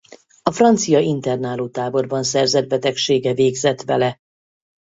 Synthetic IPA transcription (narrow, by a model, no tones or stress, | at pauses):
ɒfrɒnt̪sijɒint̪ɛrnaːloːt̪aːbo̞rbɒnsɛrzɛd̪̚bɛt̪ɛkʃeːɡɛveːɡzɛt̪ʋɛlɛ